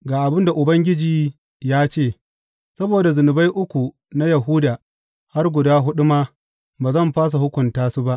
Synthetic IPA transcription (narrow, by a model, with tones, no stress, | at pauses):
ɡaː˨ʔa˨bɪ˦nda˨ʔʊ˨bɐ˦ŋɡʲɪ˦d͡ʒiː˨ | jaː˦t͡ʃeː˦˨ | sɐ˦boː˨da˨zʊ˨nʊ˨ba˦jʔʊ˦kʷu˨ | na˦jɐ˨ɦu˦daː˨ | ha˦rɡʷʊ˨daː˦ɦʊ˦ɗʊ˦ma˦ | baː˨zɐ˦˨mɸaː˦s̬a˨hʊ˦kʷʊ˨ntaː˦su˦ba˦ʔ